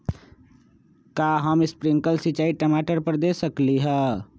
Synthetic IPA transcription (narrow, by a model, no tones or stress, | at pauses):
kaːɦəmɪspɾɪ̃ŋkəlsɪt͡ʃaːiʈəmaːʈəɾpəɾd̪eːsəkliɦɛ̃